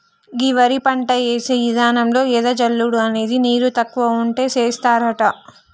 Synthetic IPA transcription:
ɡiʋɐɾipɐɳʈɐeːseːʋid̪aːnɐmlo̞ːɛd̪ɐd͡ʒɐlːuɽuɐne̞ːd̪iniːɾut̪ɐkːʋɐuɳʈe̞ːt͡ʃeːst̪aːɾɐʈɐ

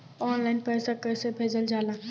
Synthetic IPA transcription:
ɔːnlaːɪnpɛːsakəɾsebʱeːd͡ʒəld͡ʒaːlaː

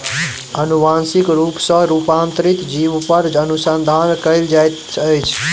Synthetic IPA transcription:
ənuʋansikɾupsə̃ɾupãnt̪ɾit̪d͡ʒiʋpəɾənusənd̪ʱaːnkəjld͡ʒajt̪ | əjt͡ʃʰ

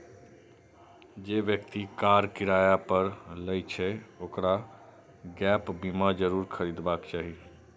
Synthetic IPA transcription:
d͡ʒeːʋjəkt̪ikaːɾkɪɾaːjapəɾləjt͡ʃʰɛoːkɾa | ɡɛːpbimad͡ʒəɾuːɾkʰəɾiːd̪baːkt͡ʃaːɦi

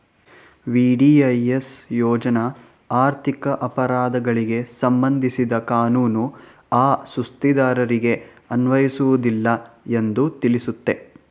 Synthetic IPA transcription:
ʋiːɖiɐjesjɔːd͡ʒɐnɐ | aːɾt̪ʰikɐʔɐpɐɾaːd̪ɐɡɐɭiɡe̞sɐmbɐnd̪ʱisid̪ɐkaːnuːnu | aːsust̪id̪aːɾɐɾiɡe̞ | ɐnʋɐjisuʋud̪ilːɐe̞nd̪ut̪ilisut̪ːe̞

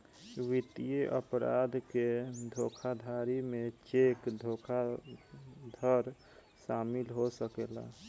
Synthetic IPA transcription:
wit̪ijeʔəpɾa̰d̪ʱked̪ʱokʰad̪ʱaɾimet͡ʃekd̪ʱokʰa | d̪ʱəɾ | ʃaːmɪlɦosəkeːla̰

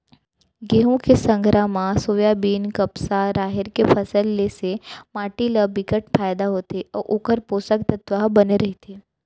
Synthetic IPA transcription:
ɡeːɦũkesə̃ŋɡʱɾamãsoːjabiːnkəpsaɾaːɦɪɾkepʰəsəlːesemaːʈilabɪkəʈpʰaːjd̪aɦoːt̪eɔʔokəɾpoːsəkt̪ət̪ʋaɦbəneɾɐɦit̪ʰeː

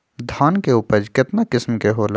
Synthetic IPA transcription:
d̪ʱaːnkeuːpəɾd͡ʒkɪt̪nakɪsmkeɦoːl

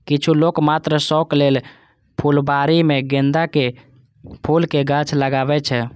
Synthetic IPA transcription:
kit͡ʃʰulokmat̪ɾəsɔklel | pʰulbaɾimeɡend̪ake | pʰulkeɡət͡ʃʰləɡabɛt͡ʃʰɛ

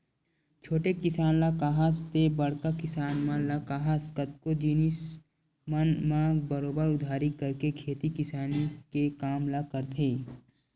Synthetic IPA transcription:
t͡ʃʰoːʈekɪsaːnlakaːɦast̪ebɐɽkakɪsaːnmãlakaːɦaskət̪kod͡ʒiːnis | mənmãɡbəɾoːbəɾʊd̪ʱaːɾikɐɾkekʰeːt̪ikɪsaːnikekaːmlakəɾt̪ʰeː

